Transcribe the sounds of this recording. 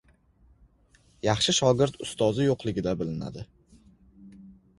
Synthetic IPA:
jɑχʃɪʃɒɡʲɪɾt̪ʊst̪ɒzɪjoqlˠɪɡʲɪd̪abɪlɪna̰d̪ɪ

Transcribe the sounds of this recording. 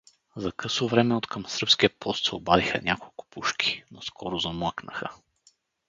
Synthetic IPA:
zɐkɤsovɾɛmɛot̪kʰəmsəɾpskiəpɔst̪sɐobaðixɐ̰nʲʔakolˠkʊ̥puʃki̥noskʰɔɾʊzɐmɤknəxə

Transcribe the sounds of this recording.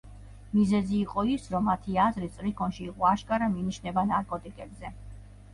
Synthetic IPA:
mizɛziːqʼɔisɾɔmːat̪ʰiazɾit̪sʼɾikʰɔnʃiːqʼɔaʃkʼaɾaminiʃnɛbanaɾkʼɔt̪ʼikʼɛbzɛ

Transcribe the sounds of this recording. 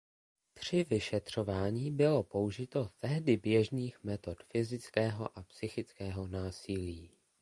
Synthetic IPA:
t̪r̝̥ɪvɪʃɛt̪r̝̥ovaːɲiːbɪlo̞po̞uʒɪt̪o̞t̪ɛɦdɪbjɛʒniːxmɛt̪o̞t̪fɪzɪt͡skɛːɦoʔapsɪxɪt͡skɛːɦo̞naːsɪliː

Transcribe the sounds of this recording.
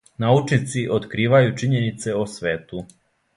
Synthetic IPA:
naut͡ʃnit̪siʔot̪kɾiːʋajut͡ʃiɲenit̪se̞osʋeːt̪u

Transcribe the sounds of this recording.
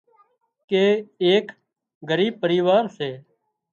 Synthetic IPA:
keːeːk | ɡəɾiːb̚pəɾiːʋaːɾseː

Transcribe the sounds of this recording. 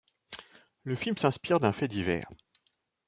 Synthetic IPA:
ləfilmsɛ̃spiʁd̪ɛ̃fɛd̪ivɛ̰ːʁ

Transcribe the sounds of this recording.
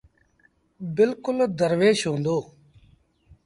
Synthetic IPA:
bɪlkʊld̪əɾʋeːʃɦõːnd̪oː

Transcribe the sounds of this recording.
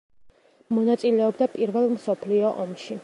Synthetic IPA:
mɔnat̪sʼilɛɔbd̪apʼiɾvɛlˠmsɔpʰliɔʔɔmʃi

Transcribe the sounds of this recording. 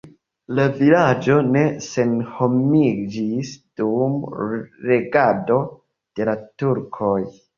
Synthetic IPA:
lavilad͡ʒo̞ne̞se̞nho̞mid͡ʒisd̥umɾe̞ɡado̞ | d̥e̞latuɾkʰo̞j

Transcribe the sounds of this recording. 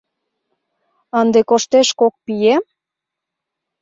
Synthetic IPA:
ɑnd̪ekoʃt̪eʃkok̚pijem

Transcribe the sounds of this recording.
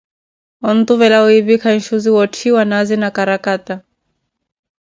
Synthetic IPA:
ɔn̩t̪uvɛlawiβikʰanʃuziwɔtʰiwanazinakaɾakata

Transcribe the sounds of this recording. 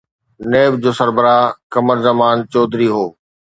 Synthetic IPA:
neːb̚d͡ʑoːsɐɾbəɾaːkɐməɾzɐmaːnt͡ɕɔːd̪ɾiɦoː

